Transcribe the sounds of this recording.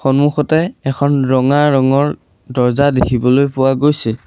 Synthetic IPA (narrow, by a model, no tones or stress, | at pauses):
xɔnmuxɔtɛɛkʰɔnɹɔŋaɹɔŋɔɹ | dɔɹzadekʰibɔlojpʊwaɡojsɛ